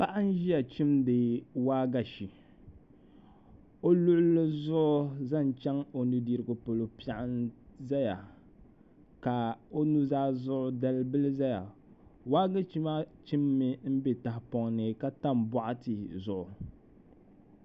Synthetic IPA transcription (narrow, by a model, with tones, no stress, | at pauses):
pa˦ʔa˦n̩˦ʒi˦ja˨t͡ʃi˦mdɨ˨waː˦ɡa˨ʃi˨ | o˦lʊ˦ʔʊ˦lːɨ˦zʊ˦ʔʊ˦za˦˨n˨t͡ʃɛ˦ŋo˨nɨ˨di˦ɾɨ˨ɡʊ˨po˨lo˨pi˦a˨ʔa˦nza˦ja˨ | ka˨o˦nu˦zaː˦zʊ˦ʔʊ˦da˦lbɨ˦lɨ˦za˦ja̰˨ | waː˦ɡa˦t͡ʃi˦ma˦t͡ʃi˦mːɨ˦m̩˦be˨ta˨hpɔ˨ŋnɨ˨ka˦ta˦mbɔ˦ʔa˦tɨ˨zʊ˨ʔʊ˨